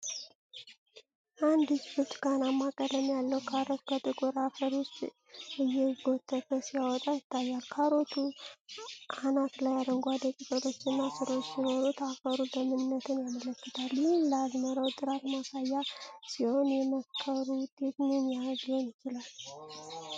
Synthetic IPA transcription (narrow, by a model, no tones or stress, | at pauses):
ʔand̪ɨsbɨt͡ʃʼɡanamakʼəd̪əmjalːəwkʰaɾot̪kʰət̪ʼɨkʼuɾafəɾwʊst̪ʼ | ɨjːɛɡo̞t̪ʰːət̪əsijawɔt̪ʼajɪt̪ʰːajːalkʰaɾo̞t̪ʰu | ʔanat̪lajad̪əŋɡʷad̪əkʼisʼəɾʰo̞t͡ʃːɨnːasɨɾwt͡ʃːjino̞ɾut̪ʰafəɾubəmɨnɨnːət̪ʰɨnjamələkːɨt̪ʰaljɪhmləazməɾəwd̪ɨɾaɾmasajːasiho̞njɛməkʰːəɾud̪̥et̪nenjaɡonjɪt͡ʃɪlal